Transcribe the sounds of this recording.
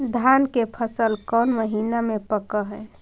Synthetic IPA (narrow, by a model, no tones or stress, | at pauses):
d̪ʱankepʰəsəlkɔːnməɦiːnamepəkəɦə